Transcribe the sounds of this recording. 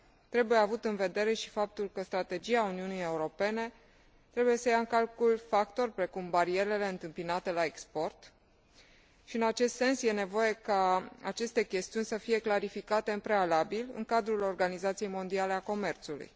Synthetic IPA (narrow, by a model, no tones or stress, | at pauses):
t̪ɾe̞bujeavut̪ɨnve̞d̪e̞ɾe̞ʃi̥fap̚t̪ulkəst̪ɾat̪e̞d͡ʒiauniunije̞uɾo̞pe̞ne̞ | t̪ɾe̞buje̞səjaɨŋkalkulfak̚t̪o̞rʲpɾe̞kumbaɾieɾe̞le̞ɨnt̪ɨmpinat̪e̞laekspo̞rt̪ | ʃiɨnat͡ʃe̞st̪se̞nsje̞ne̞vo̞je̞kaa̰t͡ʃe̞st̪e̞kʲe̞st̪iunʲsəfije̞klaɾifikat̪e̞ɨmpɾe̞alabilɨ̰ŋkad̪ɾulo̞rɡanizat̪sije̞jmo̞nd̪iale̞ako̞me̞rt̪sulṵj